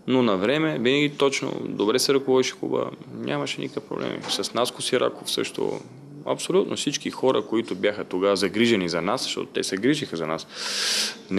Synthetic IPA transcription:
nonɐvɾɛmɛvinɐɡʲit̪ɔt͡ʃno̰d̪obɾɛsɛɾɐkovɔd̪iʃɛ̥xubə̰nʲʔamɐʃɛnikəkəfpɾo̰blɛ̰mḭsɐsnaskʊsiɾʔa̰kofsɤ̰ʃt̪o̰ | ɐ̰psolʲut̪nosit͡ʃkixɔɾɐ̰koit̪ʊbjaxət̪oɡazɐɡɾiʒɛnizɐnaszə̥ʃt̪ɔ̰t̪ot̪ɛ̰sɛɡɾiʒixəzɐnas | n

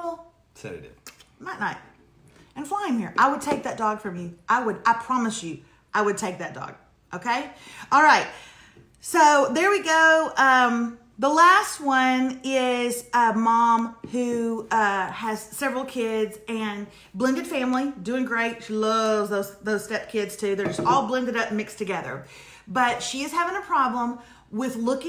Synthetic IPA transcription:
l̩ˠ | sɛ̰ɨ̰dʉ̰maɪʔⁿnaɪt̚ | ɨ̃nflaɪɪ̃ŋhḭɹʔaɪwəd̚tʰeɪk̚ðɨt̚d̥ɔɡ̥fɹʌ̃mjʉʔaɪwəɾaɪpʰɹ̥ɑməsjʉ | ʔaɪwɨd̚tʰeɪk̚ðɨt̚d̥ɔ̰ɡ̥̚ | ʔoʊkʰeɪɔlˠɹaɪt̚ | soʊðə˞wiɡoʊʌ̃m | ðəlæst̚wʌ̃nɪzʌmɑ̃mhʉʌɨz̥sɛvɹl̩ˠkʰɪdzɨ̃n | blɪ̃ndɨd̥fæ̃mlidʉɪ̃ŋɡɹeɪtʃilʌvzðoʊz̥ðoʊz̥stɛp̚kʰɪdz̥tʰʉðə˞d͡ʒʌstɔlˠblɪ̃ndɨɾʌp̩̚mɪkstʰɨɡɛðə̰˞ | bʌtʃiɨz̥hævɪ̃ŋəpʰɹ̥ɑblə̃m | wɪðlʊkɪ̃

